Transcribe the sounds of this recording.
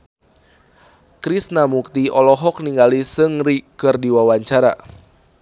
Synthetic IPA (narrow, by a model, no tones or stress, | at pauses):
kɾisnamuk̚t̪iɔlɔɦɔk̚niŋɡalisɨŋrikɨrdiwawaɲt͡ʃaɾa̰